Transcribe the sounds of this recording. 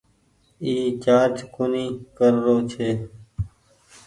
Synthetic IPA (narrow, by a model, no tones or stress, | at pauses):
iːt͡ʃaːɾd͡ʒkʊniːkəɾːoːt͡ʃʰeː